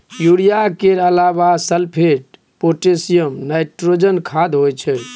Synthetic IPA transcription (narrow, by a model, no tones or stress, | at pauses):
juɽijakeɾəlabasəlpʰeʈ̚ | poʈesijəmnajʈɾod͡ʒənkʰad̪ɦojt͡ʃʰɛ